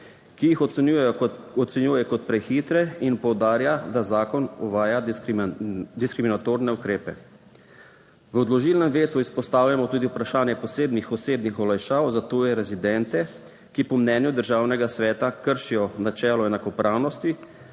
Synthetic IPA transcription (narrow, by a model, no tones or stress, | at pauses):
kijixɔujɛɔt̪sɛnjuːjɛkɔt̪̚pɾɛxiːt̪ɾɛinpɔwd̪aːɾjad̪azaːkɔnɔʋaːja | d̪iskɾiminat̪oːɾnɛukɾeːpɛ̰ | ʋɔd̪lɔʒilnɛmʋeːt̪uispɔst̪aːwljamɔt̪uːd̪iupɾaʃaːnjɛpɔseːb̪nixɔseːd̪nixɔlajʃaːwzat̪oːjɛɾɛzid̪ɛnt̪ɛ | kipɔmnɛːnjud̪əɾʒaːwnɛɡasʋɛːt̪akəɾʃijɔnat͡ʃɛːlɔɛnakɔpɾʔaːwnɔst̪i